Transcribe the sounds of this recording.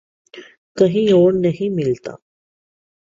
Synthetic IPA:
kəɦĩoːɾnəɦĩmɪlt̪a̰

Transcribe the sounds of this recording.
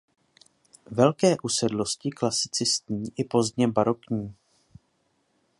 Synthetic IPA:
vɛlkɛːʔusɛdlo̞scɪklasɪ̥t͡sɪst̪ɲiːʔɪpo̞zd̪ɲɛbaɾo̞kɲiː

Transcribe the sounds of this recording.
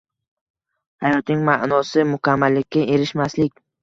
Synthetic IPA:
hajɒt̪nɪŋmaʔnɒsɪmʊkʲʰamːalːɪkʲːaʔe̞ɾɪʃmaslɪkʲ

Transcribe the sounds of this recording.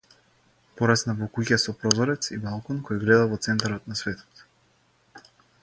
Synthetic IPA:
pɔɾasnavɔkucasɔpɾɔzɔɾɛt̪sibalˠkɔnkɔjɡlɛd̪avɔt̪sɛnt̪aɾɔt̪nasvɛt̪ʰɔ̥t̪

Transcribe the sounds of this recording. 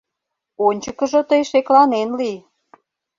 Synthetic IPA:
onʲt͡ɕəkəʒot̪əjʃeklɑnenli

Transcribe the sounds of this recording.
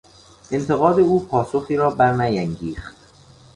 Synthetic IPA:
ʔent̪ʰe̞ɣɒːd̪e̞uːpʰɒːsoxiːɾɒːbæɾnæjæŋɡiːxt̪

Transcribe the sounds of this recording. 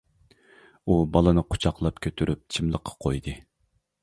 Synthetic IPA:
ubɑlˠɨnɨqʰo̥t͡ʃʰɑqlˠɑpkʲʰøt̪ʰyɾyp̚t͡ʃʰimlˠəqʰːɑ̥qʰojd̪ɨ

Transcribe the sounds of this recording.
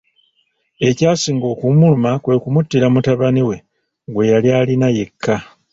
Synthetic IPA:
e̞caːsiːŋɡo̞ːkumulumakwe̞kumutːiɾamutaβaniwe̞ | ɡwe̞jaljaːlinaje̞kʰːa

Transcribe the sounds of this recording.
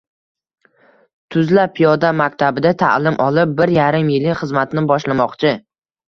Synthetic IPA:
t̪ʰʊzlapʰːijɒd̪amakʲt̪ʰabɪd̪at̪ʰa̰lɪmʔɒlɪp̚bɪɾjaɾɪmjɪlɪχɨzmat̪nɪbɒʃlamɒqt͡ʃʰɪ

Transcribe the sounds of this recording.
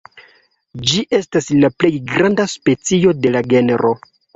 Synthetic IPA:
d͡ʒiʔe̞staslaple̞jɡɾandaspe̞t͡sio̞de̞laɡe̞neɾʔo̞

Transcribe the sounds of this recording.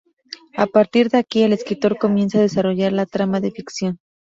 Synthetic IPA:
apaɾt̪iɾðeakie̞le̞skɾit̪o̞ɾko̞mje̞nsaːðe̞saro̞ʝaɾlat̪ɾamaðe̞fiksjo̞n

